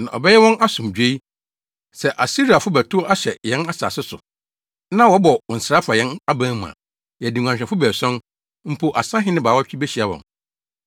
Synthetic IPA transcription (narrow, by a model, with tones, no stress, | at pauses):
nã̰˨ʔɔ̰˨bɛ˦jɛ˦wɔ̃˦na˦sʊ̃˨md͡ʑᶣe˦i˦ | sɛ˨ʔa˨si˦ɾi˨a˨fʊ˦bæ˨tʰʊ˦ʔa˦ɕɛ˨jɛ̃˦na˦sa̰ː˨sɪ˦sʊ̰˨ | nã˦wɔ˨˦bɔ˨n̩˨sɾa˦fa˨jɛ̃˦na˦bãː˦m˨ã̰˨ | jɛ˨di˨ŋʷ˨ã˨ɕᶣɛ̃˨fʊ˦bæː˨sɔ̃˦n | m̩˦pʰo˨ʔa˨sã˦ɦɪ̃˦nɪ̃˦baː˨wa˦t͡ɕᶣi˦be˦ɕi˨a˨wɔ̰̃˨n